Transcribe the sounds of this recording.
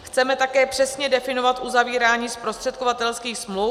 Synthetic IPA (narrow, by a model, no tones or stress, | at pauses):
xt͡sɛmɛt̪akɛːpr̝̥ɛsɲɛdɛfɪno̞vat̪ʔuzaviːɾaːɲiːspɾo̞st̪r̥ɛt̪̚kovat̪ɛlskiːxsmlu